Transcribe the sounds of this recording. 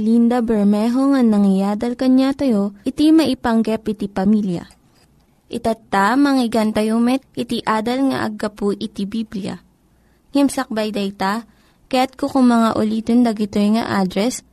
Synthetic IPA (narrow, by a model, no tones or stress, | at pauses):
lind̪ɐbɛɹmɛɦoŋɐŋnɐŋɪjaːd̪ɐlkɐɲat̪ɐjo̞ʔɪt̪imɐʔɪpɐŋɡɛpɪt̪ipɐmiljɐ̰ | ʔɪt̪ɐt̪ːamɐŋɪɡant̪ɐjomɛt̪̚ʔɪt̪iʔaːd̪ɐlŋɐ̰ʔɐ̰ɡːɐpuʔɪt̪ibiblɪjɐ̰ | ŋɛmsɐk̚bɐjd̪ɐjt̪a | kɐjat̪̚kokʊŋmɐŋaʔʊliːt̪ond̪ɐɡɪt̪ojŋɐ̰ʔaːd̪ɾɛs